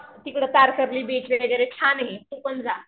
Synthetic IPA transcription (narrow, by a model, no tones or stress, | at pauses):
t̪ikɽ̤ət̪aɾkəɾliːbet͡ɕʋeɡəɡəɾet͡ɕʰanɦetũkond͡za